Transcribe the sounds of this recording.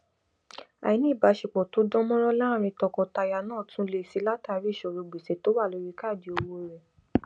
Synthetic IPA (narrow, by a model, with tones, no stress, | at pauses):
a̰˨i˨˦nĩ˦˨ba˨˧ʃi˨k͡pɔ˨to˨˦dɔ̃˦mɔ̃˦ɾɔ˦la˦˨ɾ̃ĩ˧tɔ˧kɔ˧ta˧ja˧nãː˦˨tʰũ˦le˦˧˨si˧˦la˦ta˨˧˦ɾi˦˨ʃɔ˨ɾo˨˧ɡ͡bi˨se˨˦to˨˦wa˦˨lo˨˧˦ɾi˧˦ka˦˨di˨˦o˧wo˧˨ɾɛ˨